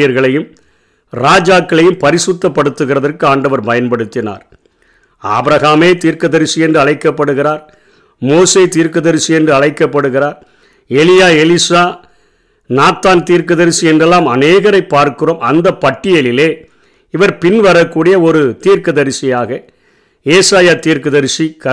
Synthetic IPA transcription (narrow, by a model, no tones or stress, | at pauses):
jɐɾɣɐɭɐjɯm | ɾaːd͡ʒaːkːɐɭɐjɯmpɐɾɪsɯt̪ːɐpːɐɽɯt̪ːɯɣɪrɐðɐrkɯaːɳɖɐʋɐɾpɐjɐnpɐɽɯt̪ːɪna̰ːɾ | a̰ːbɾɐɣaːmeːt̪iːɾkɐðɐɾɪsɪɛndrɯɐɭɐɪkːɐpːɐɽɯɣɪraːɾ | moːseːt̪iːɾkɯðɐɾɪsɪɛndrɯɐɭɐɪkːɐpːɐɽɯɣɪraːɾ | ɛlɪjaːɛlisaː | naːt̪ːaːnt̪iːɾkɯðɐɾɪsiɛndrɛlːaːmɐneːɣɐɾɐɪpːaːɾkɯroːmɐnd̪ɐpːɐʈːɪjɐlɪleː | ɪʋɐɾpɪnʋɐɾɐkːuːɽɪjɐɔɾɯt̪iːɾkɯðɐɾsɪjaːɣɐ | eːsaːjaːt̪iːɾkɯðɐɾsikɐ